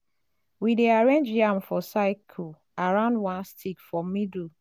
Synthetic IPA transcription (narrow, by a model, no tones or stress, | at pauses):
wideaɹẽnd͡ʒjãmfɔsaɪkʰɔ | aɹãʊ̃ndwãnstʰikfɹɔmid